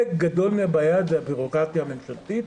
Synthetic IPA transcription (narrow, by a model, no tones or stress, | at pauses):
ekɡad̪o̞lmeabajad̪veabiʁo̞kʁat̪jamenʃalt̪it̪